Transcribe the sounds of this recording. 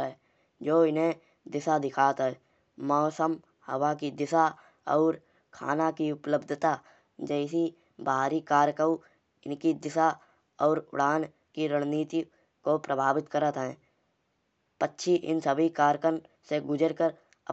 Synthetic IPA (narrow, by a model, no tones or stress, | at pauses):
ɛ | d͡ʒoːɪnɦẽ | d̪ɪsad̪ɪkʰaːt̪ɦɦɛː | mɔːsəm | hə̰wakid̪ɪsa | ɔːɾ | kʰa̰ːnakiʊpləbd̪ʱt̪a | d͡ʒɛːsi | baːɾikaːɾkəu | ɪnkid̪ɪsa | ɔːɾʊ̰ɽaːn | kiɾəɽ̃niːt̪i | kopɾəbʱaːbɪt̪kəɾət̪ɦɛ̃ː | pətːʃʰiʔɪ̰nsəbʱikaːɾkən | seɡʊd͡ʒəɾkəɾ | ə